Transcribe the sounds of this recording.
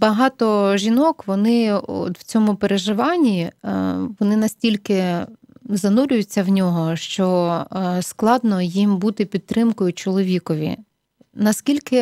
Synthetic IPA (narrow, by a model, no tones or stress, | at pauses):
bɐɦɑt̪ɔʒʲinɔkʋɔnɪɔ̰t̪w̥t͡sʲɔmʊpeɾeʒɪʋɑnʲːi | ʋɔnɪnɐsʲtʲilʲkɪ | zɐnuɾʲʊjʊt͡sʲːɐwnʲɔɦɔʃt͡ʃɔ | sklˠɑd̪nɔjimbut̪ɪpʲid̪̚t̪ɾɪmkɔjʊt͡ʃɔlˠɔʋʲikɔʋʲḭ | nɐskʲilʲkɪ